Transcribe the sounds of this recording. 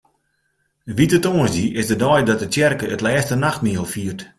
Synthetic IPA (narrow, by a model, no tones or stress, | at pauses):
ʋitətoəsdiʔɪsdədɔjdɔt̚ətjɛrkəətlɛːstənaxt̚miəəlˠfiərt